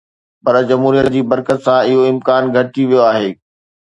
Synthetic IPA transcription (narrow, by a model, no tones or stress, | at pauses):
pɐɾd͡ʑɐmɦuːɾijət̪d͡ʑiːbɐɾkət̪sãɪɦoɪmkaːnɡʱɐʈiʋijoaːɦeː